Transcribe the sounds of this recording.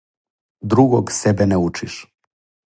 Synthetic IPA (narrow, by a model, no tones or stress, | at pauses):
d̪ɾuɡoɡsebɛnɛut͡ʃiʃ